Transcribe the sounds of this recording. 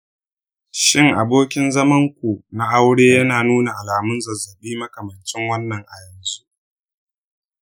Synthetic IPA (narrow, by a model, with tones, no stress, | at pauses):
ʃɪ˦˨ŋʔa˨boː˦kʲɪ˦nzɐ˦mɐ˦ŋkʷu˨na˦ʔa˦wɽeː˦jɐ˦naː˨nuː˦na˨ʔa˨laː˨mʊ˦nzɐ˨zːɐ˨ɓiː˦mɐ˦kɐ˨mɐ˨nt͡ʃɪ˦ŋwɐ˦nːɐ˨ŋʔa˨jɐ˨nzu˦ʔ